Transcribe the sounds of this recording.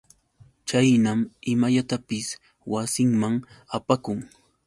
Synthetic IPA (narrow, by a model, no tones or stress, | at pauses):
t͡ʃajnamɪmaʎat̪apɪs | wasɪŋmaŋapakʊŋ